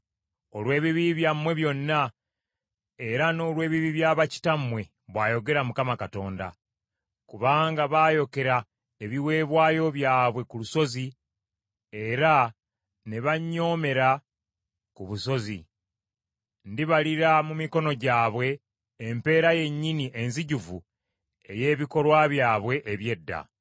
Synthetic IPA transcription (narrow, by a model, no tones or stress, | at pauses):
o̞lwe̞ːβiβiβjamwe̞βjo̞nːa | e̞ɾano̞ːlwe̞ːβiβiβjaːβaci̥tamwe̞ | βwaːjo̞ɡe̞ɾamukamakato̞ːnda̰ | kuβaːŋɡaβaːjo̞ke̞ɾa | eβiwe̞ːβwaːjo̞βjaːβwe̞kuluso̞zi | e̞ɾa | ne̞βaɲːo̞ːme̞ɾa | kuβuso̞zi | ndiβaliɾamumiko̞no̞ɟaːβwe̞ː | mpe̞ːɾaje̞ɲːiniʔe̞nziɟuvu | e̞je̞ːβiko̞lwaβjaːβwe̞ʔːβje̞dːa̰